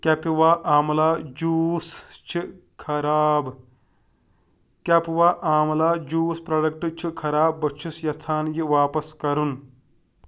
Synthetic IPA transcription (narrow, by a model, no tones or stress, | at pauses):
kʲɐpiʋaːʔaːmlaːd͡ʒuːst͡ʃʰi | kʰɐɾaːb | kʲɐpʋaːʔaːmlaːd͡ʒuːspɾɐɖɐk̚ʈɨt͡ʃʰikʰɐɾaːbːɐt͡ʃʰusjɐt͡s̪ʰaːnjiʋaːpɐskɐɾun